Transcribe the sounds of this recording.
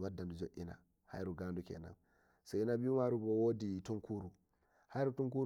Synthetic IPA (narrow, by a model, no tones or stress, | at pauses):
wadːandud͡ʒoʔina̰ | ha̰jɾuɡaːndukɛ̰na̰n | sɔinabimaɾubɔwoditɔŋkuɾu | hajɾutuŋku